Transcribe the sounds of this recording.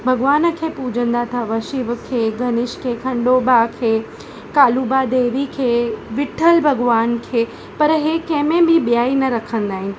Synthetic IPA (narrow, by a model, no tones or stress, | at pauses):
bʱɐɡʋaːnə̆kʰeːpuːd͡ʒʱə̃nd̪at̪ʰaʋɐʃiʋkʰeːɡɐnɪʃkʰeːkʰɐ̃ɳɖoːbakʰeː | kaːlubad̪eːʋikʰeːʋɪʈʰəlbʱɐɡʋaːnkʰeː | pɐɾɦekɐ̃ɦmẽbʱɪbjaːinɐɾɐkʰə̃nd̪aːɦɪnɪ̆